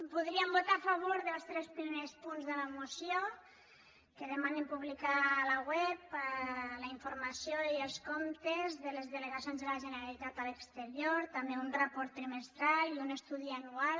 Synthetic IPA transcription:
puðɾiəmbut̪afəβ̞oɾðəlˠst̪ɾɛspɾimespunzðələmusjo | kəðəmanimpuβlikaləwɛpələiɱfuɾmasjoiəlˠskomt̪ezðəlezðələɣasjonzðələʒənəɾalit̪at̪ələkst̪əɾjoɾt̪ameunrəpɔɾt̪ːɾiməst̪ɾaliunəst̪uðiənual

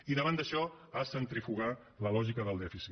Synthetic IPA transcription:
iðəβand̪əʃɔ | asənt̪ɾifuɣ̞a | ləlɔʒikəðəlˠd̪ɛfisi

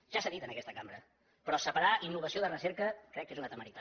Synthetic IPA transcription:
ʒ̥asaðit̪ənəkɛst̪əkambɾə | pɾɔsəpəɾaʔinːuβ̞əsioðərəseɾkəkɾɛkːezunat̪əməɾit̪a

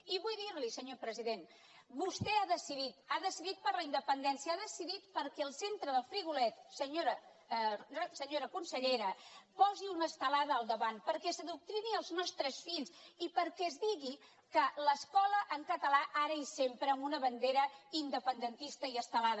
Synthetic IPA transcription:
iβujðiɾlisəɲopɾəziðen | bust̪ɛaðəsiðit̪aðəsiðit̪̚pəɾləind̪əpənd̪ɛnsiəaðəsiðit̪pəɾkɛəlˠsent̪ɾəðəlˠfɾiɣulɛt̪səɲoɾə | rsəɲoɾəkunsəʎeɾəpɔziunəst̪əlaðəːlˠd̪əβanpəɾkɛsəðuk̚t̪ɾiniəlˠznɔst̪ɾəsfiʎzipəɾkɛzdiɣi | kələskɔləʔəŋkət̪əlaʔaɾəisempɾəːmunəβənd̪eɾəind̪əpənd̪ənt̪ist̪əiəst̪əlaðə

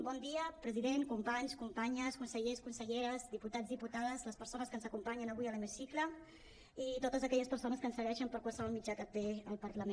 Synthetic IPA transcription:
bɔnd̪iəpɾəziðenkumpaɲskumpaɲəskunsəʎeskunsəʎeɾəzðiput̪azðiput̪aðəzləspəɾsonəskənzəkumpaɲənəβuiələmisiklə | it̪ot̪əzəkɛʎəspəɾsonəskənsəɣɛʃəmpəɾkwalˠsəβɔlˠmid͡ʒakət̪eəlˠpəɾləme

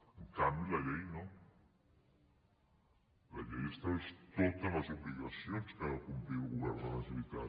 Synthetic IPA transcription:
eŋkambjulaʎejnõ | laʎejest̪aβest̪ot̪alazoβliɣasjonspaɾakumpɾiɾuɣoβɛɾnalaziβit̪a̰

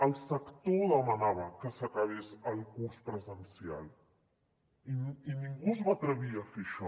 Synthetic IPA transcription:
əlˠsəkt̪oðəmənaβəkəsəkaβesəlˠkuɾspɾəzənsial | iinĩŋɡuzβat̪ɾəβiəfeʃɔ

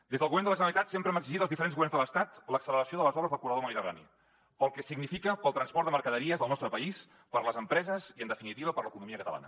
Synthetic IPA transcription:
d̪ezðəlˠɣuβɛnd̪ələʒənəlit̪at̪sempɾəɛməɡziʒit̪əlzðifəɾenɣuɛrnzðələst̪at̪ləksələɾəsioðələzɔβɾəzðəlˠkurəðoməðit̪əra̰nḭ | pəlˠkɛsiɡnifikəpəlˠt̪ɾənspɔɾt̪d̪əməɾkəðəɾiəzðəlˠnɔst̪ɾəpəis | pəɾləzəmpɾɛzəziənd̪əfinit̪iβəpəɾləkunumiəkət̪ə̰la̰nə̰

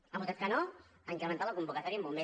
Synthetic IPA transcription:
apuzat̪kanoəŋkɾəmənt̪alɐkumbukat̪ɔɾiəmbumbe

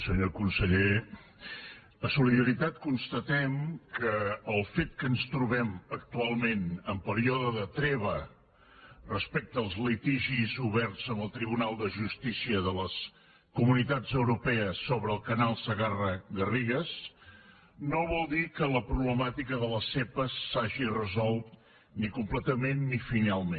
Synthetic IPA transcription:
səɲokunsəʎe | əsuliðəɾit̪at̪̚kunst̪ət̪ɛmkəːlˠfet̪̚kənst̪ɾuβɛmək̚t̪ualˠmenəmpəɾiɔðəðət̪ɾɛβə | rəspɛk̚t̪əːlˠzlit̪iʒizuβɛɾtzəməlˠt̪ɾiβunalˠd̪əʒust̪isiəðələs | kumunit̪ad͡zəwɾupɛəsoβɾəːlˠkənalˠsəɣarəɣəriɣəs | noβɔlˠd̪ikələpɾuβləmat̪ikəðələsepəsːaʒirəzɔlˠt̪ | nikumplət̪əmenːifinalˠmẽn

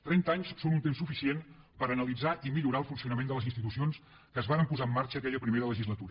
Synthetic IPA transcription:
t̪ɾɛnt̪aɲssonunt̪emsufisien | pəɾənəlid͡zaʔimiʎuɾalˠfunsiunəmend̪ələzinst̪it̪usions | kəːzβaɾəmpuzaəmːaɾt͡ʃəːkɛʎəpɾimeðələʒizlət̪uɾə

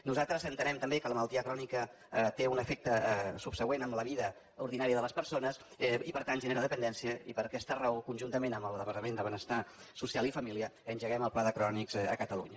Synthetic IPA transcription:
nuzat̪ɾəzənt̪ənɛmt̪əmbekələmələlˠt̪iəkɾɔnikə | t̪eunəfek̚t̪əsupsəɣwenəmləβiðə | uɾðinaɾiəðələspəɾsonəs | ipəɾt̪anʒəneɾaðəpənd̪ɛnsiəḭpəɾəkɛst̪əraokunʲʒunt̪əmenəməlˠdəpəɾt̪əmend̪əβənəst̪a | susialˠifəmiliəənʲʒəɣɛməlˠplaðəkɾɔnikzəkət̪əlṵɲə

